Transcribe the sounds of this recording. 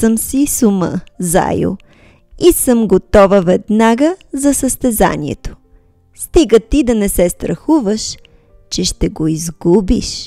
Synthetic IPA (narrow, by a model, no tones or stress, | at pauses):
səmsisumə̰za̰jo̰ | isəmɡot̪ɔvəvɛd̪naɡəzɐsəst̪ɛza̰nʲḭɛ̰t̪o̥ | st̪iɡət̪id̪ɐnɛsɛst̪ɾɐxuvəʃ | t͡ʃɛʃt̪ɛɡoizɡubḭʃ